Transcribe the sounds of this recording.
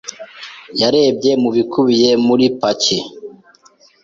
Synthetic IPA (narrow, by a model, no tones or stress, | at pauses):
jaɾe̞ːbɟe̞muβikʰuβije̞muɾipaci